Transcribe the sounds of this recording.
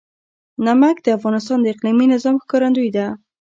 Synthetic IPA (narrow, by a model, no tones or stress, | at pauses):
namakd̪əafɣɑnɪst̪ɑnd̪əɪqliminɪzɑmxkɑɾand̪ujd̪a